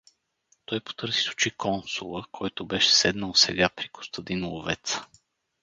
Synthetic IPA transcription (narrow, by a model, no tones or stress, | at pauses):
t̪ɔjpo̥t̪ɤɾzi̥su̥t͡ʃikʰɔnsulˠəkʰɔjt̪obɛʃɛ̥sɛd̪nəlˠsɛ̰ɡapɾiko̥st̪əd̪inlˠovɛt̪sə̥